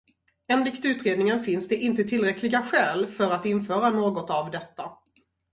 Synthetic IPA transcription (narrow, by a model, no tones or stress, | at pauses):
ɛnlɪkt̪ʉ̟ːt̪ɾeːd̪nɪŋənfɪnsd̪ɛʔɪnt̪ət̪ʰɪlɾɛkʰlɪɡaɧɛːlfœɾat̪ɪnfœːɾanoːɡɔt̪avd̪ɛt̪ːa